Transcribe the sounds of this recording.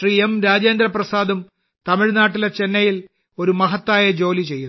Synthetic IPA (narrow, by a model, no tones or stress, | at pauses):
riːemɾaːd͡ʑe̞ːnd̪ɾɐprɐsaːd̪ɐm | t̪ɐmiɻnaːʈːilet͡ɕe̞nːɐjil | o̞ɾumɐɦɐt̪ːaːjɐd͡ʑo̞ːlit͡ɕe̞jːu